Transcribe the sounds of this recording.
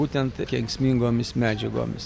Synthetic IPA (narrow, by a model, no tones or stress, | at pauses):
uːt̪ʲɛnt̪kʲɛŋksʲmʲiːŋɡoːmʲɪsmʲæːd͡ʒʲɛɡo̰ːmʲɪs